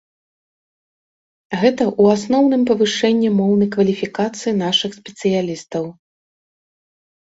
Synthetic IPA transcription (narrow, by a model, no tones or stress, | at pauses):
ɣɛt̪ɐʔuasnɔwn̪ɨmpɐvɨʂɛnʲːimɔwnɐjkvɐlʲifʲikat̪sɨjinaʂɨxsʲpʲɛt̪sɨjalʲist̪ɐw